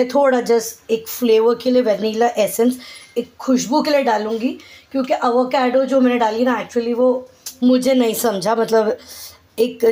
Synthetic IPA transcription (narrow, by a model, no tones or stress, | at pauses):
ɛ̃t̪ʰoːɽad͡ʒɐseːkfleːʋəɾkelieʋɛɾniːlaʔɛːsənseːkʰːʊʃbukelieɖaːlũːŋɡikjõːkeʔɐʋəkɛːɖod͡ʒoːmɛːnẽɖaːlienaɛːk̚t͡ʃuəliʋomʊd͡ʒʱenɐĩsɐmd͡ʒʱamɐt̪ləb | eːk